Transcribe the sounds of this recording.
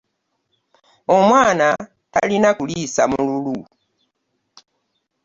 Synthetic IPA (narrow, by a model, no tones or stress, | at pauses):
omwaːna | ta̰linakulisamululu